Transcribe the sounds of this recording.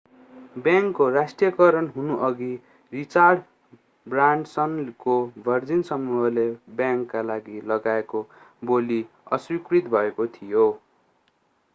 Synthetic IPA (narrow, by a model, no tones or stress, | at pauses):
bjaŋkːorasʈrijʌkʌɾʌnɦunuʔʌɡi | rit͡sarɖ | braɳɖsʌnkobʱʌrd͡zinsʌmuɦʌlebjãŋkːalaɡilʌɡaeko | boli | ʌ̰swikrit̪bʱʌekot̪ʰijo